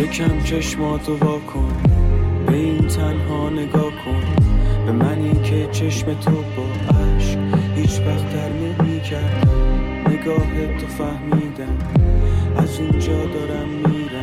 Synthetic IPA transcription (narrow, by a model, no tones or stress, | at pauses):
jekʰæmt͡ʃʰeʃmɒːt̪ʰobɒːkʰonbeiːnt̪ʰænɦɒːneɡɒːkʰonbemæniːnkʰet͡ʃʰe̞ʃmet̪ʰoboʔæʃhiːt͡ʃvæχt̪ʰæɾminmiːcʰæɾd̪æ | neɡɒːɦet̪ʰofæhmiːd̪æm | ʔæzund͡ʒɒːd̪ɒːɾæmːiːɾæ